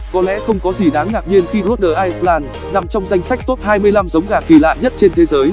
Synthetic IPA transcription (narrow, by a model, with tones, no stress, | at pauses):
kɔ˨˦lɛ̰˧˥xə˧wŋ͡mkɔ˨˦zi˧˩ɗaː˨˦ŋnaː˨˩k̚ɲi˧ənxi˧ɗu˦˥ɗəː˨˩ʔaː˧js̚laː˧n | na˨˩mt͡ɕɔ˧wŋ͡mza˧jŋ̟sa˦˥k̟̚t̪o˦˥t̚haː˧jmɨ˧əjla˧mzə˨˦wŋ͡mɣaː˧˩ki˧˩la̰ː˧˨jɲə˦˥t̚t͡ɕe˧nt̪ʰe˨˦zəː˨˦j